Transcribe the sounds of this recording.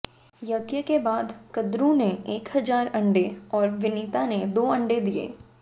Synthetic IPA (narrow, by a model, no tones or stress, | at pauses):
jɐɡjəkebaːd̪kɐd̪ɾũneeːkɦɐzaːɾɐ̃ɳɖeɔːɾʋɪniːt̪aned̪oːɐ̃ɳɖed̪iḛː